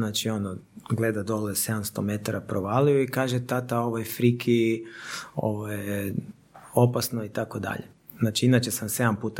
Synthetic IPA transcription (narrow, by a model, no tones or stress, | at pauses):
naːt͡ʃio̞noɡle̞d̪ad̪o̞lese̞d̪amst̪ome̞t̪aɾapɾoʋalijuikaːʒet̪at̪ao̞ʋojfɾikʰi | o̰ʋoje | o̞pasnoit̪akod̪a̰ʎe | z̥naːt͡ʃiinat͡ʃesamse̞d̪ampuːt̪a